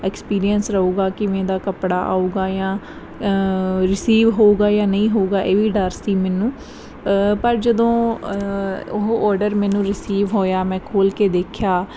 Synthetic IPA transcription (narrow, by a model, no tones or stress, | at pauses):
ɛkspiːɾijənsɾəuːɡaːkɪmɛ̃ːd̪aːkəpɽaːʔa̰ːuːɡaːjãː | ɾɪsiːʋɦoːuːɡaːjãːnəĩːɦoːɡaːʔeːʋiːɖəɾsiːmɛːnũː | pəɾd͡ʒəd̪õː | ʊɦʔɔːɾɖəɾmɛ̃ːnũːɾɪsiːʋɦoːjaːmɛ̃ːkʰoːlkeːd̪eːkʰjaː